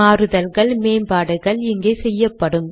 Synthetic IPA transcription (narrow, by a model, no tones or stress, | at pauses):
aːɾɯðɐlɣɐɭmeːmbaːɽɐɣɐɭɪŋɡeːsɛjːɐpːɐɽɯm